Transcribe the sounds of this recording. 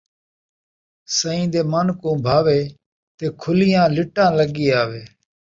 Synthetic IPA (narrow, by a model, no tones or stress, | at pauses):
səĩːd̪eːmənkõːbʱaːʋeː | t̪eːkʰʊlɪjãːlɪʈãːləɠiːaːʋeː